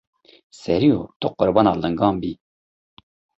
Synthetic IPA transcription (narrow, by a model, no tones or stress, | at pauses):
sɛɾijo̰t̪ʰʊqʊɾbɑːnɑːlɨŋɡɑːmbiː